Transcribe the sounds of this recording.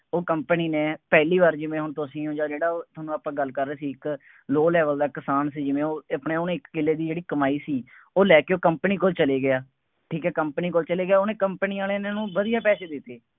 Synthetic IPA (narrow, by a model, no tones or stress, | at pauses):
oːkəmpəniːneːpɛːliːbaːɾd͡ʒɪʋẽːɦʊɳt̪osĩːõːd͡ʒaːd͡ʒeːɽaːoːt̪ʰoːnːũːaːpãːɡəlkəɾːeːsiːɪk | loːlɛːʋəld̪aːkɪsaːnsiːd͡ʒɪʋẽːoːəpɳeːʊnẽɪkːɪlːeːd̪iːd͡ʒeːɽiːkəmaːiːsiː | oːlɛːkeːoːkəmpəniːkoːlt͡ʃəleːɡɪjaː | ʈʰiːkɛːkəmpniːkoːlt͡ʃəleːɡɪjaːoːnẽːkəmpəniːãːleːnenũːʋəd̪ijaːpɛːseːd̪ɪt̪ːeː